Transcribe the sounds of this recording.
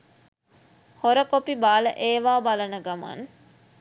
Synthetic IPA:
hoɾəkopibaːlə̰ʔeːʋaːbɐlɐnəɡɐma̰n

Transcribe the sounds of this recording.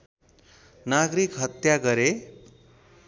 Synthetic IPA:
naɡɾikɦʌt̪jaɡʌɾe

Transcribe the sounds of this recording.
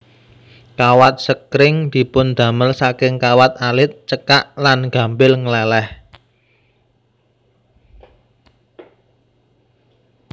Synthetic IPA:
kawat̪̚səkɾɪŋd̪̥i̤pʊnd̪̥ä̤məlsakɪŋkawat̪̚alɪt̪̚t͡ʃəkaʔlanɡ̥ä̤mbɪlŋəlɛlɛh

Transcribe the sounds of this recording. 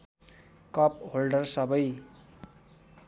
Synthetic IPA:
kʌp̚ɦolɖʌrsʌbʌj

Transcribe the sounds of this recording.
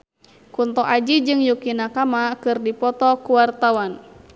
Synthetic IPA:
kunt̪ɔʔad͡ʒid͡ʒɨŋjukinakamakɨrdipɔt̪ɔkuwart̪awan

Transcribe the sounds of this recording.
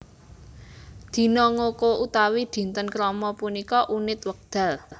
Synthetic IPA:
d̪̥i̤nɔŋokoʔut̪awid̪̥i̤nt̪ənkɾɔmɔpunikɔʔunɪt̪wək̚d̪̥a̤l

